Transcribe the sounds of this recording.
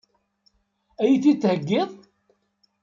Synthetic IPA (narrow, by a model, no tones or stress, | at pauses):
æjiθit͡sːhəɡːɪðˤ